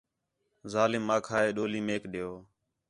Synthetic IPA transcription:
zaːlɪmːãːkʰaːeːɗoːliːmeːkɗɪjoː

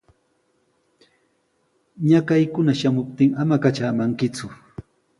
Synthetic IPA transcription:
ɲakajkʊnaʃamʊp̚t̪ɪŋamakat͡ʃaːmaŋkɪt͡sʊ

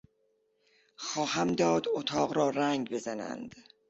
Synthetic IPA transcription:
xɒːhæmd̪ɒːd̪ot̪ʰɒːɣɾɒːɾæŋɡbe̞zænæ̰nd̪̥

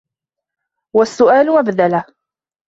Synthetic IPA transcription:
wasːʊʔaːlʊmabðala

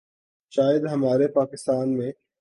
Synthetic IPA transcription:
ʃaːjɪd̪ɦɐmaːɾepaːkɪst̪aːnmẽ

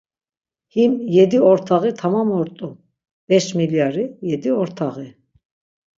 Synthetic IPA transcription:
himjɛd̪iɔɾt̪ʰaɣit̪ʰamamɔɾt̪ʼu | b̥ɛʃmiljaɾijɛd̪iɔɾt̪ʰaɣi

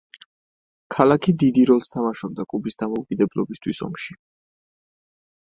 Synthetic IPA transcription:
kʰalakʰid̪id̪iɾɔlˠst̪ʰamaʃɔb̚d̪akʼubisd̪amɔukʼid̪ɛblˠɔbist̪ʰwisɔ̰mʃi

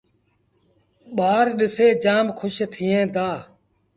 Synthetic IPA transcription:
ɓaːɾɗɪseːd͡ʒaːmkʰʊʃt̪ʰɪːẽːd̪aː

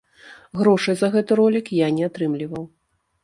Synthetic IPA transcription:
ɣɾɔʂɐjzɐɣɛt̪ɨɾɔlʲikjanʲɛat̪ɾɨmlʲivɐw

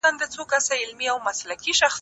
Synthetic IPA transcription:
and̪ət͡sokasaɪlmiawmaslakiʃax

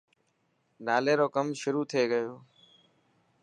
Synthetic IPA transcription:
naːleːɾoːkəmʃʊɾuːt̪ʰeːɡəjoː

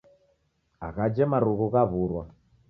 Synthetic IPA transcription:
a̰ɣad͡ʒɛmaɾuɣuɣaβuɾwa

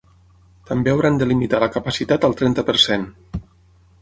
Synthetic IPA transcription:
t̪əmbeəwɾand̪əlimit̪aləkəpəsit̪at̪əlˠt̪ɾɛnt̪əpəɾsen

